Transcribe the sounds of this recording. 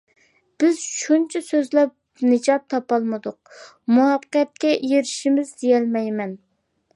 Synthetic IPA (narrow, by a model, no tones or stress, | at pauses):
b̥ɪz̥ʃunt͡ʃʰɛsøzlɛp̚ | nɨd͡ʒɑp̚t̪ʰɑpɑlˠmɨd̪ʊq̚ | muɑqqɛt̪̚kʲɛʔjeɾɪʃimɪzd̪ejɛlmɛjmɛn